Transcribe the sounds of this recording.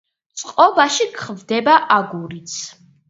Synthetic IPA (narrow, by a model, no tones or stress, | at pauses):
t̪sʼqʼɔbaʃikʰχvd̪ɛbaʔaɡuɾit̪sʰ